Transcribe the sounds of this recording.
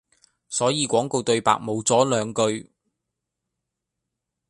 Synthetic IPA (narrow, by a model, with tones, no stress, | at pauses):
sɔː˨˥jiː˨˧kʷɔː˨˥ŋko˧wt̪ɵ˧ɥpa̰ː˧˨k̚mo˨˧wt͡sɔː˨˥lœː˨˧ŋkɵ˧ɥ